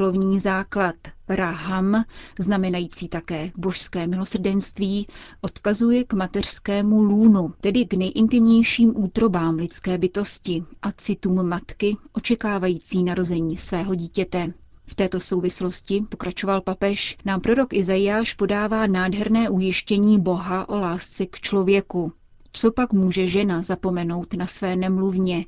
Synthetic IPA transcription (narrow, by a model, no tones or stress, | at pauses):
lo̞vɲiːzaːklat̪ɾaɦamznamɛnajiːt͡siːt̪akɛːbo̞ʃskɛːmɪlo̞sr̩dɛnst̪viːʔo̞t̪kazujɛkmat̪ɛr̝̥skɛːmuluːnut̪ɛdɪɡnɛjʔɪnt̪ɪmɲɛjʃiːmʔuːt̪ɾo̞baːmlɪt͡skɛːbɪt̪o̞scɪʔat͡sɪt̪uːmːat̪kɪʔo̞t͡ʃɛkaːvajiːt͡siːnaɾo̞zɛɲiːsvɛːɦo̞ɟiːcɛt̪ɛ | ft̪ɛːt̪o̞so̞wvɪslo̞scɪpo̞kɾat͡ʃo̞valpapɛʃnaːmpɾo̞ɾo̞kɪzajɪjaːʃpo̞daːvaːnaːdɦɛɾnɛːʔujɪʃcɛɲiːbo̞ɦaʔo̞laːst͡sɛkt͡ʃlo̞vjɛku | t͡so̞pakmuːʒɛʒɛnazapo̞mɛno̞wt̪nasvɛːnɛmluvɲɛ